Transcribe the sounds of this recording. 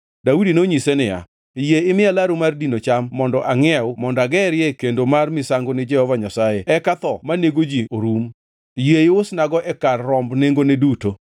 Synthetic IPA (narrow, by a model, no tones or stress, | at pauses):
daudinoɲisenɪja̰ | jeɪmɪalaɾumardinot͡ʃamːɔndɔʔaŋɛʊmɔndaɡɛɾjɛkendomarmɪsaŋɡonɪd͡ʒɛhɔvaɲasajeɛkat̪ɔmaneɡod͡ʒioɾum | jeɪʊsnaɡɔʔɛkarːɔmbneŋɡoneduto